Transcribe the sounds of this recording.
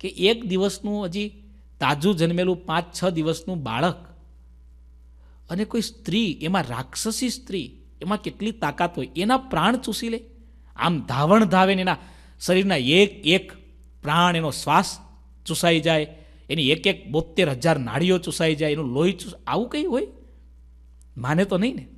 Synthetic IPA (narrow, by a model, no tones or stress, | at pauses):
keʔekd̪iʋəsnũəd͡ʒi | t̪ad͡ʒũd͡ʒənmelũpãt͡ʃt͡ʃʰəd̪iʋəsnũba̰ɭək | ənekoist̪ɾiemãɾa̰kʃəsist̪ɾi | emãkeʈlit̪akat̪ɦojenapɾaɳ̃t͡ʃusile | a̰md̪ʱaʋəɳd̪ʱaʋenena | səɾiɾnaekek | pɾaɳ̃enosʋas | t͡ʃũsajd͡ʒaj | eniekek̚bot̪ːeɾɦəd͡ʒaɾna̰ɽ̤ijot͡ʃusajd͡ʒajenũloit͡ʃusa̰ʋũkəiɦoj | manet̪onəɦĩne